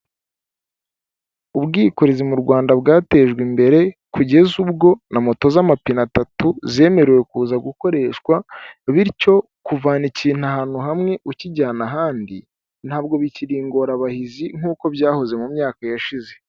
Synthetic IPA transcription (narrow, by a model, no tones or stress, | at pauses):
ubɡiːko̞ɾezimuɾɡwaːndaβɡaːte̞ːʒɡwimbe̞ɾe̞kuɟe̞zubɡo̞namo̞to̞zamapinatatuze̞ːme̞ɾeje̞kuːzaɡuko̞ɾe̞ːʃkwaβiɾico̞ | kuvaːniciːn̥haɦaːn̥huɦamŋe̞ʔuciɟaːnaɦaːndi | n̥haːb̚ɡo̞βiciɾiːŋɡo̞ɾaβahiziŋ̥uːko̞bɟaːho̞ze̞mumɲaːkajaʃize̞̥